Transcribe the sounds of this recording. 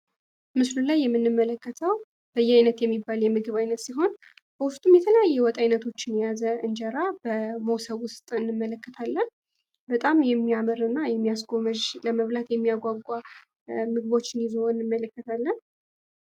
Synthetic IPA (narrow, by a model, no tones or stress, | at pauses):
mɨslulajːɛmːɨnːɨmːələkːət̪ʰəw | b̥əjːɛajnət̪jɛmːibːaljɛmɨɡɨβajnət̪siɦo̞n | b̥əwʊst̪ʼumjɛt̪ʰələjajːɛwɔt̪ʼajnət̪ʰo̞t͡ʃːɪnjazəɨnd͡ʒəɾabəmosəβwʊst̪ʼɨnːɨmːələkːət̪ʰalːən | bət̪ʼamjɛmːiaməɾɨnːajɛmːijas̬ɡo̞məd͡ʒləməβlat̪jɛmːijaɡʷaɡʷʼːa | mɨɡɨβo̞t͡ʃːɪnizoɨnːɨmːələkːət̪ʰalːən